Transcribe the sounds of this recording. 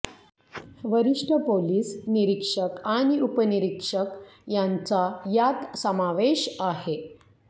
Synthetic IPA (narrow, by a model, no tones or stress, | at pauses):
ʋəɾiʂʈʰəpoliːsniɾikʂəkaɽ̃iupəniɾikʂəkjant͡sajat̪səmaʋeɕaɦe